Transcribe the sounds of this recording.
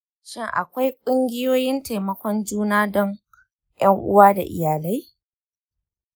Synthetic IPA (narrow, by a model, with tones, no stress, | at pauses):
ʃɪ˦ŋʔa̰˨kʷa˦jkʷʼʊ˦ŋɡʲɪ˦joː˦jɪ˦nta˨jmɐ˦kʷɔ˦nd͡ʒuː˦naː˦dɔ˦ŋ | jɐ˦ŋʔʊ̰˦waː˦da̰˨ʔɪ̰˨jaː˨la˦j